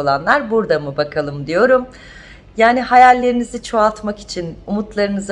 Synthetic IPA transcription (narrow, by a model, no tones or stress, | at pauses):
olˠanlˠaɾbuɾd̪amɯbakʰalˠɯmd̪ijo̞ɾum | jaːnihajalʲːe̞ɾinizit͡ʃʰoalˠt̪maki̥t͡ʃʰinumut̪lˠaɾɯnɯza